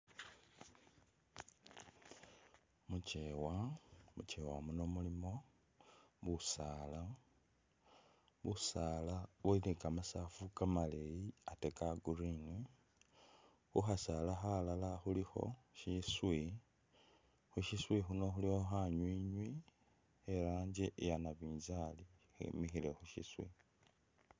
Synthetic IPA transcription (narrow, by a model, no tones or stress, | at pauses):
mut͡ʃewamut͡ʃewamunomulimo̞ | βusaːla | βusalaβwelikamasafukamalejiate̞kaɡuɾiŋwi | xuxasalaxalalaxulixo̞̰ʃiswi | xuʃiswixuno̞xulixo̞xaɲwiːɲwi | elaːɲd͡ʒeʔjanaβiːzalixḛmixilexuʃḭswḭ